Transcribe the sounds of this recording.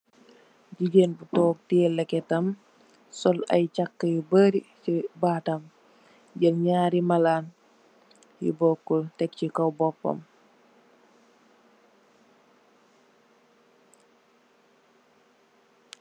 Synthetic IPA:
ɟiɟenbutɔːk̚tiɛlɛkɛtɐm | sɔlɐ̰jt͡ʃakːəjibəɾisibaːtɐm | ɟɐlɲaːɾimɐlaːn | jḭbɔːkːɔltɛk̚cikɐwbɔpːɐ̰m

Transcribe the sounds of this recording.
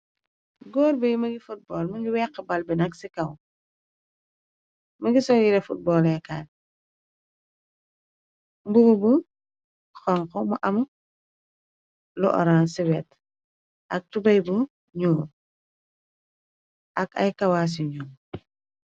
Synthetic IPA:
ɡɔːɾbijmɐɡifut̚bɔːlmɐɲɟuwɛqːɛbɐlbinɐksikɐw | mɐɡisɔljiɾɛfut̚bɔːlɛkaːn | mbuɡubu | xɔŋkɔmuʔɐmɐ | lɔ̰ʔɔ̰ɾansiwɛt | ʔɐk̚tubɐjbu | ɲuː | ʔɐkɐ̰jkɐwas̬iɲuːm

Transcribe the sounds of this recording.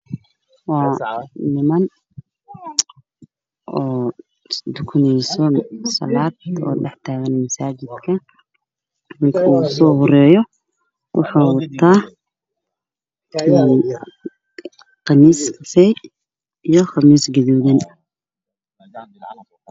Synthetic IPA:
wɑːnɪmɐn | ɔː | d̪ʊkʰʊnɛjsɔsɐ̰laːd̪̚ɔ̰ːɖɛħt̪ʰaːɣɐnmɐsaːt͡ʃɪd̪kʰɐ | mɪkʰɐuːsɔːhʊɾɛːjɔ | wʔɑħɑwt̪ʰaː | qɑmiːskɑsɛj | ijɔχɑmiːsɡɐðɔːðɪn

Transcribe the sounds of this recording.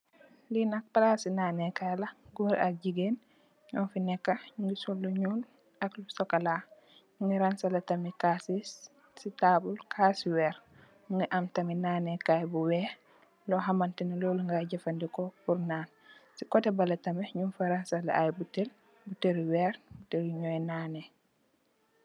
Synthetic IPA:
linak̚palasinaːnɛkajlaɡuɾa̰k̚ɟiɡen | ɲɔnfinɛkːaɲuŋɡisolːuɲuːl | aklusɔkala | ɲuŋɡiɾansalatamikasis | sitabulkʰasiwɛɾ | ɲuŋɡiʔamtaminanɛkajbuwɛ | lɔɦamantinilɔluŋɡaɟafandikɔpuɾnaːn | sikɔtɛbalatamɛɲunfaɾansalaʔajbutel | buteɾiwɛɾbuteɾiɲɔjnaːnɛ

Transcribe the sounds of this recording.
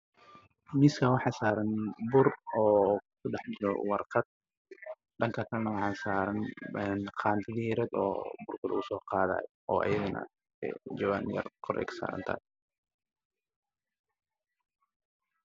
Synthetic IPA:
mɪskʰɐwɑħɑːsaːɾɐnbʊrɔːkʰʊɖɛħdɪlɔ̰wɑrqɐd̪̥̚ | ɖɐŋkʰɐkʰɐlɐnɐwɑħɑːsaːɾɐnɛnqʰɑːnt̪ʰɪliɾɛd̪ɔ̰ːbʊrkʰɐl̰ʊsɔːqɑːða̰ːj | ʔɔ̰ːʔɐ̰jɐɣɐnɐ̰ | d͡ʒɔwaːnjɐ̰rkʰɔɾʔɛ̰ksa̰ːɾɐ̰nt̪ʰa̰ː

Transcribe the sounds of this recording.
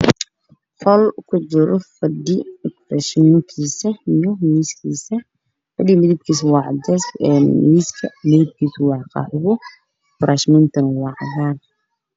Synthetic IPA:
hɔlkʰʊd͡ʒɪɾɔfɐd̪ikɾɛʃnɪkʰiːsɐijɔmiːskʰiːsɐ | fɐd̪imɪðib̚kʰiːswɑːʕd͡ʒɛsɛmiːskʰɐmɪðɪb̚kʰiːswɑʕqɑ̰ħʊβɔ | fɾʔaʃmɪnt̪ʰɐnwɑʕðaːn

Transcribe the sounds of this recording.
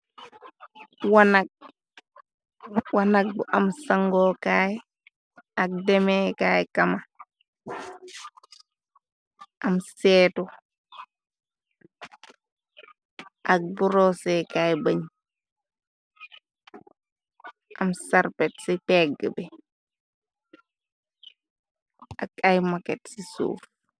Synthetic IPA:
wanak̚ | wanak̚buʔamsaŋɡɔːkaːj | ak̚dɛmekaːjkama | ʔamsɛːtu | ʔak̚buɾɔsɛkaːjbaɲ | ʔamsaɾpɛtsipɛɡəbɛ | ʔakajmakɛtsisṵːf

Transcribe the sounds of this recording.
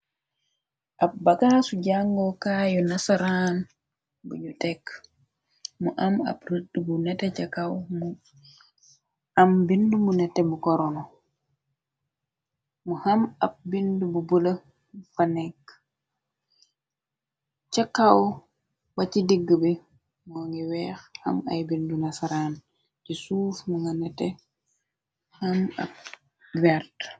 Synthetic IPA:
ʔabakasud͡ʒaŋɡɔkajɔnasaɾan | bṵɲutɛkː | muʔama̰bɾidːubunɛtɛt͡ʃakawm | ambindumunɛtɛmukɔɾɔnɔ | muhamɐp̚bindububulə | fanɛk | cakːaw | wacidiɡːəbi | mɔŋiwɛːxhɐma̰jbindunasaɾan | cisuːfmuŋɡanɛtɛ | hamɐ̰p̚ | wɛɾt

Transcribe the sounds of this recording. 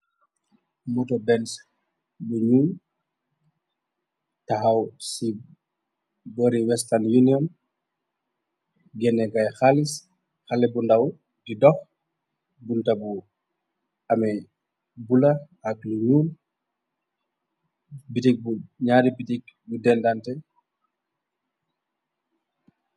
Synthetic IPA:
mɔtɔbɛns | luɲuːn | taɦawsi | bɔɾiwɛstanjuniɔn | ɡɛnɛɡajxalis | xalɛbundaw | didɔx | buntabu | amɛ | bula | akluɲuːn | bitik̚buɲaːɾibitik̚budɛndantɛ

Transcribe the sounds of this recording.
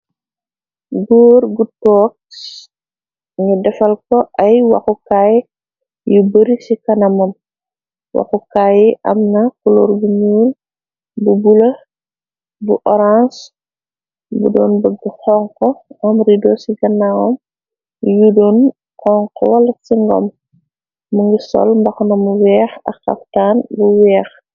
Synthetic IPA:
ɡɔːrɡutɔːk̚s | ɲudɛfɐlkɔʔɐjwɐ̰xukaːj | jubəɾisikɐnɐmɐm | wɐ̰xukaːjiʔɐ̰mnɐkulɔːɾbuɲuːl | bubulɐ | buʔɔɾãns | bṵdɔːnbəɡixɔŋkɔɐmɾidɔːsiɡɐnːawɔm | judɔn | hɔŋkɔwɐlɐsiŋɡɔ̰m | muŋɡisɔ̰lmbɐxnɐmuwɛːxɐ̰kxɐ̰ftaːnbuwɛːx

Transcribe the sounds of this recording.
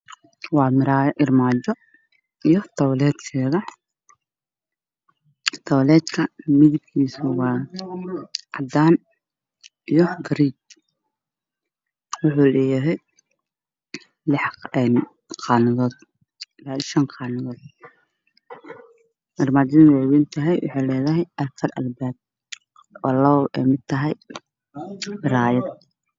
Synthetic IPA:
wɑːmɪɾaːjʔɪrmaːt͡ʃɔ | ijɔt̪ʰɔwlɛːd̪kʰɛːðɐ | t̪ʰɔwlɛːd̪kʰɐmɪðɪb̚kʰiːsʊwɑː | ʔɑd̪aːn | ijɞɡɐɾiːt͡ʃ | wʊħuːlɛːjɐɦɛj | lɪħɛn | qɑːnɪðɔːd̪ | laːʃɐnqɑːnɪðɔːd̪̥ | mɐrmaːd̪ɪnwɛwɪnt̪ʰɐɦɛjwɑ̰ħɑːlɛːðɐɦɛjʔɐrfʰɐɾʔɐlbaːd̪̚ | wɑlɐʔɛ̰mɪd̪̚t̪ʰɐɦɛj | bɪɾaːjɐd̪̚

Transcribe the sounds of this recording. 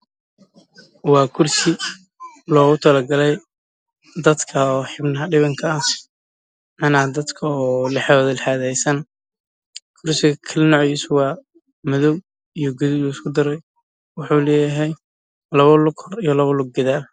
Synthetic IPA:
wɑːkʰʊrsɪ | lɔːɣʊt̪ʰɐlɐɡɐlɛj | d̪ɐd̪kʰɐɔːħɪbnɐɦɐɖɪβɐŋkʰaːs | mɐnaːd̪ɐd̪kʰɐɔːlɛħɔːðɐlħaːðɛjsɐn | kʰʊrsɪɣɐkʰɐlɐnɔʕjiːsʊwɑː | mɔðɔw | ijɞɡɔðɪluɪskʰʊd̪ɐɾɛj | wɑħuːlɛːjɐɦɛj | lɐβɐlʊɡhɔrijɔlɐβɐlʊɡ̚ɡɐðaːl

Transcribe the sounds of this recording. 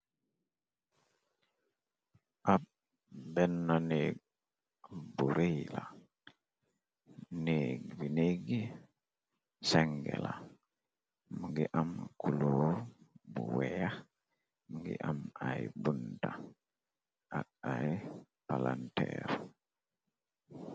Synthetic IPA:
ʔap̚ | bɛnːanek̚ | buɾejla | nekvineɡi | sɛŋɡɛ̰la | muɡɛʔamkʰuluɾbuwɛjah | məŋɡḭʔamajbunta | ʔaaj | palantɛ̰ɾ

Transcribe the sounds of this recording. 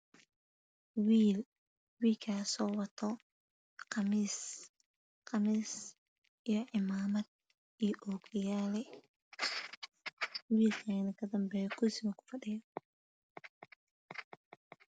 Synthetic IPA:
wiːl | wiːkʰaːsɔːwɐt̪ʰɔ | qɑmiːs | qɑmiːs | ijɔʕɪmaːmɐd̪̚ | ijɔʔɔːɡɪjaːlɛ | wiːlkʰanɐkʰɐd̪ɐmbɛːjɔkʰʊsɪmɐkʰʊ̥fɐɗɪjɔ

